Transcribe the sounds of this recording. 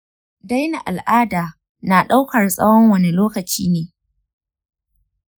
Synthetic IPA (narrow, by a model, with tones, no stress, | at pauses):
da˦jna˨ʔa˨lʔaː˦daː˨ | na˨ɗa˦wkɐ˨rsʼɐ̰˦wɔ˦ŋwɐ˨ne˨loː˦kɐ˨t͡ʃiː˦neː˨